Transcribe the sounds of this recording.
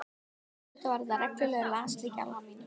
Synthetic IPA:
t̪avaɾðarɛklʏlɛːɣlaːst̪ɾica̰la

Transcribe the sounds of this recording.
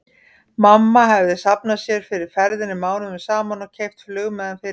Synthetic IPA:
mamːaɦɛvðɪsapnasjɛɾ̥fɪɾɪɾ̥fɛɾðɪnːɪmaːwnʏmɪsaːmanɔcʰejft̪flʏːɣmɛðanfɪɾ

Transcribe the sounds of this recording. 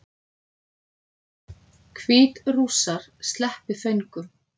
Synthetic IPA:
kʰviːt̪ruːsaɾ̥st̪lɛhpɪθœjŋkʏm

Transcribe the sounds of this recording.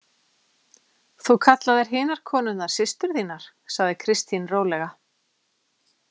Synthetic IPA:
θukʰat̪laðɛɾ̥ɦɪːnaɾ̥kʰɔːnʏnaɾ̥sɪst̪ʏɾ̥θiːnaɾ̥ | saɣðɪkʰɾɪst̪inroːwlɛɣa

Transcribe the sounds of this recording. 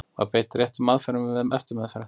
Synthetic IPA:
a̰peːjt̪ɾjɛht̪ʏmaðfɛɾʏmɪvɪðmʔɛft̪ɪɾmɛðfɛɾa

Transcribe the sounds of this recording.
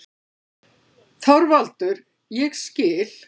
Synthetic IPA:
θɔwɾvalt̪ʏɾ | jɛɣscɪːl̥

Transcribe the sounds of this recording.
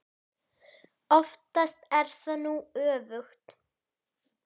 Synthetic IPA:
ɔft̪ast̪ɛɾ̥θanuœːvʏxt̪

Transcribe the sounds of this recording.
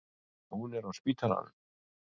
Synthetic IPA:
hunɛɾɔspit̪ʰaɾa̰n

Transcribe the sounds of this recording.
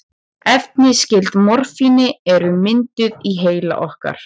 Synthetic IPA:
ɛft̪nɪscɪlt̪mɔɾ̥finɪɛɾʏmɪnt̪ʏðiɦeːjla̰ʔɔhka̰ɾ̥

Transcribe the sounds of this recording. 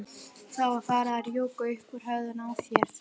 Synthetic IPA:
θawḁθaːɾaaɾjoːwkʏʏhkʏɾ̥ɦœɣðʏnaːwθjɛɾ̥

